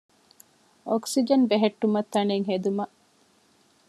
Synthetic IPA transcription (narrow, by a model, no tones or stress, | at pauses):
ʔoksid͡ʒɐnbeɦeʈːumɐt̪ːɐneːŋɦed̪umɐʔ